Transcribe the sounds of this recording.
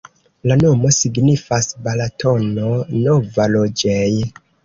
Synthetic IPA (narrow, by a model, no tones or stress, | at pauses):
lano̞mo̞siɡnifasbalatʰo̞nonovalod͡ʒej